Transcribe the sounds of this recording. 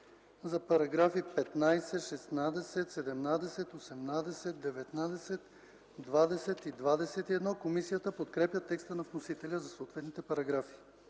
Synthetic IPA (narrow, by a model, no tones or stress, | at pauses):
zɐpɐɾɐɡɾafipɛt̪najsɛtʃɛsnad̪ɛsɛt̪sɛd̪ɛmnad̪ɛsɛt̪osɛmnad̪ɛsɛt̪̚d̪ɛvɛt̪nad̪ɛsɛt̪ | d̪vad̪ɛsɛt̪id̪vad̪ɛsɛt̪iɛd̪nɔkomisijət̪əpot̪kɾɛpjət̪ːɛkst̪ənɐfnosit̪ɛlʲəzɐsoːt̪vɛt̪nit̪ɛpɐɾɐɡɾafi̥